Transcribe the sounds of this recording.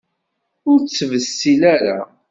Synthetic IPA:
ʊɾt͡sːvəsːilæɾa̰

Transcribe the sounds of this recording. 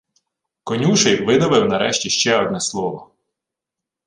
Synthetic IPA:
kɔnʲuʃɛjʋɪnɔʋɪwnɐɾɛʃtʲiʃt͡ʃɛɔd̪̚nɛslˠɔʋɔ

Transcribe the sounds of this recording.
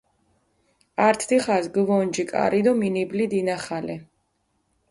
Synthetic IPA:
aɾt̪ʰd̪iχazɡvɔnd͡ʒikʼa̰ɾid̪ɔminiblid̪inaχalɛ

